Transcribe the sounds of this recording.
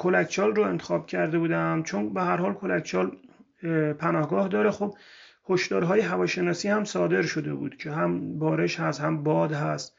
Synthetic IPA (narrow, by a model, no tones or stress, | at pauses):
kʰolækʰt͡ʃʰɒːlroe̞nt̪ʰexɒːb̚cʰæɾd̪e̞buːd̪æmt͡ʃʰonbehæɾhɒːlkʰolækʰt͡ʃʰɒːl | pʰænɒːhɡɒːhd̪ɒːɾexob̚ | hoʃd̪ɒːɾɦɒːjeɦævɒːʃe̞nɒːsiːhæmsɒːd̪e̞ɾʃo̞d̪e̞̰bṵːd̪̥cʰeɦæmbɒːɾe̞ʃhæst̪hæmbɒːd̪ɦæst̪